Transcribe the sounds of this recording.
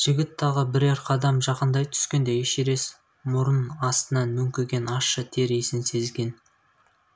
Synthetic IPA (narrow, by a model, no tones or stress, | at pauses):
ʒ̥ɪɡʲɪt̪ʰːɑʁəbɪɾeɾqʰɑd̪ɑmʒɑqənd̪ɑjt̪ʰʏ̥skʲe̞nd̪e̞eʃeɾe̞s | mʊɾənɑst̪ənɑnmʏmkʲeɡʲe̞nɑʃət̪ʰe̞ɾesɪnse̞zɡʲe̞n